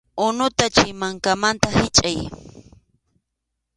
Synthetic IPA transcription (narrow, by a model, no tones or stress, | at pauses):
ʊnʊt̪at͡ʃɪmaŋkamant̪ahɪt͡ʃʼaj